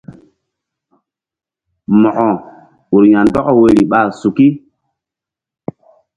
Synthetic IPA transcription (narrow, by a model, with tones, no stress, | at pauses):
mɔ˨ʔɔ˨ | u˨ɾja˨ndɔ˦kɔ˦we˨ɾi˨ɓa˦˨su˨ki˦